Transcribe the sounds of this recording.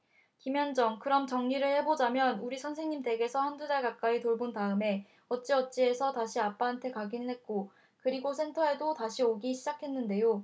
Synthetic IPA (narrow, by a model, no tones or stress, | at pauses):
kimjʌnd͡ʑʌŋkɯɾʌmt͡ɕʌŋɲiɾɯɭhe̞bod͡ʑamjʌnuɾisʰʌnsʰeŋɲimte̞ɡe̞sʰʌhandudaɭkak͈̚aitoɭbontaɯme̞ | ʌt̚t͡ɕ͈iʌt̚t͡ɕ͈ie̞sʰʌtaɕʰiap͈aantʰe̞kaɡinɯɭɦe̞t̚k͈o | kɯɾiɡosʰe̞ntʰʌe̞dotaɕʰioɡiɕʰid͡ʑakʰe̞nːɯnde̞jo